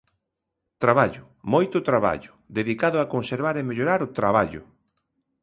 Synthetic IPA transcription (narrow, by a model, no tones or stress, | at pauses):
t̪ɾaβaʎʊ | mojt̪ʊt̪ɾaβa̰ʎʊ | ðeðikaðʊakonseɾβaɾemeʎoɾaɾʊt̪ɾaβ̞aʎʊ̰